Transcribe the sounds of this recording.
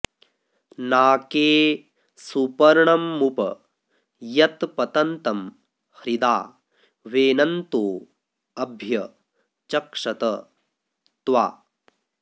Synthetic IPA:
naːkeː | supɐɾɳɐmːupɐ | jɐt̪pɐt̪ɐnt̪ɐm | hɾid̪aː | ʋeːnɐnt̪oː | ɐbʱjɐ | t͡ʃɐkʂɐt̪ɐ | t̪ʋa̰ː

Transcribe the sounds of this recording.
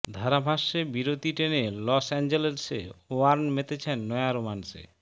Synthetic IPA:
d̪ʱaɾabʱaʃːebiɾot̪iʈenelɔsɛnd͡ʑelesḛoaɾnmet̪et͡ɕʰenːɔejaɾomansḛ

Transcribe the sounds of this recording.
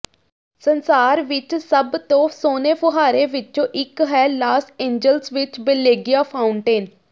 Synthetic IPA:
sənsaːɾʋɪt͡ʃsəbt̪õːsoːneːpʰəɦaːɾeːʋɪt͡ʃõːʔɪkɦɛːlaːsẽːɲd͡ʒəlsʋɪt͡ʃbəleːɡijaːpʰaːʊɳʈeːn

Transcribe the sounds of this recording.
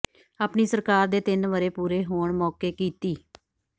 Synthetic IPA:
aːpɳiːsəɾkaːɾd̪eːt̪ɪnʋəɾeːpuːɾeːɦoːɳmɔːkeːkiːt̪iː

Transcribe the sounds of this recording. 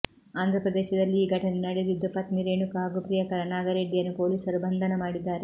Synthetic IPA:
aːnd̪ʱɾɐpɾɐd̪eːʃɐd̪ɐlːiːɡʱɐʈɐnenɐɽed̪id̪ːupɐt̪miɾeːɳukaːɡupɾijɐkɐɾɐnaːɡɐɾeːɖːijɐnːupo̞ːliːsɐɾubɐnd̪ʱɐnɐmaːɽid̪ːaːɾe

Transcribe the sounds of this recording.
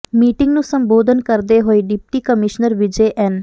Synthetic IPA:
miːʈɪŋɡnũːsəmboːd̪ʱənkəɾd̪eːɦoːiːɖɪp̚ʈiːkəmɪʃnəɾʋɪd͡ʒeːʔɛn

